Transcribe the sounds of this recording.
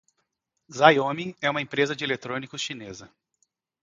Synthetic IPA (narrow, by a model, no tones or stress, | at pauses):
zajõmĩɛũmɐẽpɾezɐd͡ʒɪelet̪ɾõnikʊsʃinezɐ